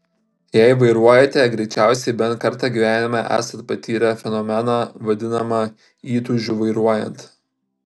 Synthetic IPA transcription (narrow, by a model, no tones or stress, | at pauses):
jæˑɪʋɐɪɾuɔjɛt̪ʲɛɡɾʲɛɪt͡ʃʲæˑʊsʲɛɪbʲɛntkɐɾˑt̪ɑːɡʲiːʋʲæːnʲɪmʲɑʔæ̰ːsɐnt̪̚pɐt̪ʲiːɾʲɛfʲɛnɔmʲɛnɑʋɐd̪ʲɪnɐmɑ | iːt̪uʒʲuʋɐɪɾuɔjɛ̰nt̪